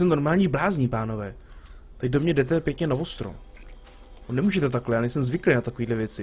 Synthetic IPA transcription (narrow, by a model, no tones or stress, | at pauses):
sɛmno̞ɾmaːlɲiːblaːzɲipaːno̞vɛː | t̪acdomɲɛdɛt̪̬ɛpjɛkɲɛnavost̪ɾo̰m | onɛmuːʒɛt̪ɛt̪aklɛjaːnɛjsɛmzvɪklejnat̪ako̞viːdlɛvjɛt͡sɪ